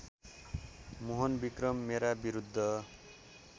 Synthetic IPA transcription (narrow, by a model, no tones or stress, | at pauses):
moɦʌnbikrʌmːeɾabiɾud̪ʱːʌ